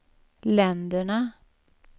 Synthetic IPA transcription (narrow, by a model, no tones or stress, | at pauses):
lɛnd̪əɳə